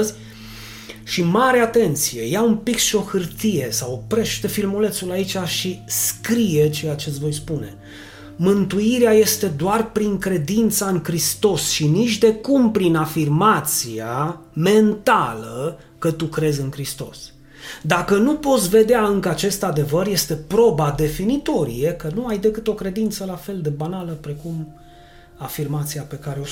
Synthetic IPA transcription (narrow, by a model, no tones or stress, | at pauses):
zʲ | ʃimaɾeat̪e̞nt̪sije̞jaumpikʃio̞xɨrt̪ije̞sawpɾe̞ʃt̪e̞filmole̞t̪sulait͡ʃaʃiskɾije̞t͡ʃe̞jat͡ʃesʲvo̞jspune̞ | mɨnt̪uiɾeaje̞st̪e̞d̪oarpɾiŋkɾe̞d̪int̪saɨŋkɾist̪o̞sʃinit͡ʃd̪e̞kumpɾinafirmat̪siame̞nt̪alə | kət̪ukɾe̞zʲɨŋkɾist̪o̞̰s | d̪akənupo̞t̪sʲve̞d̪eaɨŋkəat͡ʃe̞st̪ad̪e̞vərje̞st̪e̞pɾo̞bad̪e̞finit̪o̞ɾḭjekənuajd̪e̞kɨt̪o̞kɾe̞d̪int̪səlafe̞ld̪e̞banaləpɾe̞kum | afirmat̪sijape̞kaɾeo